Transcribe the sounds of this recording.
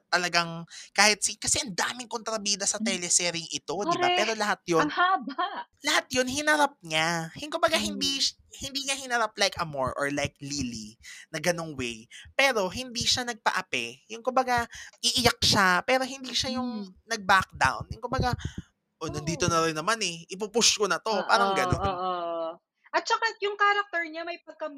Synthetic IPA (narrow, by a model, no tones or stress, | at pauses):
t̪ɐlɐɡaŋkaːhɪt̪̚sikɐsɛʔɐnd̪aːmɪŋkont̪ɾɐbiːd̪ɐsɐt̪ɛlɛsɛːɾɪŋɪt̪o̞d̪ɪapɛːɾo̞lɐhat̪̚jonabalɐhat̪̚jonhɪnɐɾap̚ɲahʊŋkʊmbɐɡahɪnd̪i | hɪnd̪iːŋɐhɪnɐɾap̚lajkʔɐmo̰ɹʔɔ̰ɹlajk̚lilinɐɡɐno̞ŋwɛjpɛːɾo̞ɦɪnd̪iːʃanɐɡ̚pɐ̰ʔɐpɛjʊŋkʊmbɐɡaʔɪʔɪjak̚ʃapɛːɾo̞ɦɪnd̪iːʃajʊŋnɐɡ̚bak̚d̪a̰wnjʊŋkʊmbɐɡa | ʔonɐnd̪iːt̪onɐɾɪnːɐmanɛʔɪp̬ʊpʊskonɐt̪o̞paːɾɾɐŋɡɐnonːʔ | ʔɐt̪̚t͡ʃɐkajʊŋkaːɾɐk̚t̪ɛɹɲamɐjpɐɡ̚kɐm